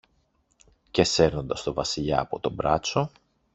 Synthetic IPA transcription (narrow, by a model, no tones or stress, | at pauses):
ce̞se̞ɾno̞nd̪ɐst̪o̞vɐsiʎɐːpo̞t̪o̞bɾɐt͡so̞